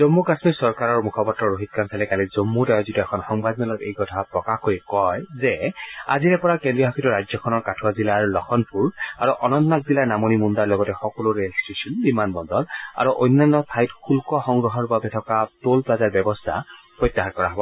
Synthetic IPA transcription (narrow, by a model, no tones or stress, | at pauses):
zomːukasmisɔɹkaɹɔɹmukʰɔpɔtɹɔɹoɦit̚kansʰalɛkalizomːudajɔzituɛkʰɔnxɔŋbadmɛlɔtejkɔtʰapɹɔkaxkoɹikɔjzɛa̰ziɹɛpɔɹakendɹiɔɦakʰituɹajd͡ʒzɔkʰɔnɔɹkatʰuwazilaɹlɔxʰɔnpʰuɹaɹuʔɔnɔnnak̚zilanamonimundaɹlɔɡɔtɛxɔkɔlʊɹelstisɔnbimanbɔndɔla̰ɹuʔɔ̰jnːanːɔpʰajtkʰulkɔxɔŋɡɹɔɦɔɹbabɛtʰɔkatolpɹazaɹbɛbɔstʰa̰ | pɹɔjt̪ːaɦakɔɹaɦɔbɔ